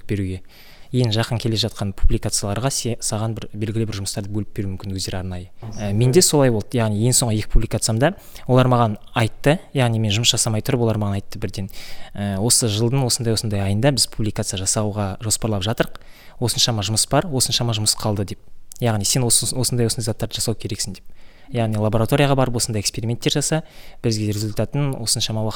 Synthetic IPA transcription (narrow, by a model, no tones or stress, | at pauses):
be̞ɾuɡʲe̞ | kʰejɪnʒɑqəŋkʲʰe̞le̞ʒɑt̪̚qɑnpʰublijkat̪sɨjalˠɑɾʁɑsɑʁɑnbɪɾbe̞lɡʲɪlɪbɪɾʒʊməst̪ɑɾd̪əbɵlɪp̚b̥eɾumʏmkʲɪnwɵzd̪e̞ɾɑɾnɑjəəme̞nd̪e̞so̞lˠɑjbolˠd̪əjɑʁnije̞ŋso̞ɴʁəje̞kʲɪ̥pʰublikat̪sɨjamd̪ɑ | wolˠɑɾmɑʁɑnɑjt̪ːəjɑʁnijme̞nʒʊməsʒɑsɑmɑjt̪ʰʊɾəpolˠɑɾmɑʁɑnɑjt̪ːəbɪɾd̪e̞nəwo̞səʒəlˠd̪ənwo̞sənd̪ɑjwo̞sənd̪ɑjɑjənd̪ɑbɪzpʰublʲijkat̪sɨjaʒɑsɑwʁɑʒo̞spɑɾlˠɑpʒɑt̪əɾəq | wo̞sənʃɑmɑʒʊməsbɑɾwo̞sənʃɑmɑʒʊməsqʰɑlˠd̪əd̪e̞p̚jɑʁnijse̞nowo̞sənd̪ɑjwosnd̪ɑjzat̪ːɑɾd̪əʒɑsɑwkʲʰe̞ɾe̞ksɪnd̪ep̚ | jɑʁnijlˠabo̞ɾat̪o̞ɾʲijaʁɑbɑɾəp̬wosənd̪ɑjekspe̞ɾimʲe̞nt̪ːeɾʒɑsɑb̥ɪɾzɡʲeɾʲezulʲt̪at̪ːənwʔo̞sənʃɑmɑwɑq